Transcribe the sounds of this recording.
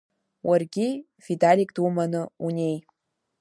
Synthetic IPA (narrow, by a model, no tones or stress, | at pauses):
wərɡʲi | fʲid̪alʲikt̪umanɤunʲej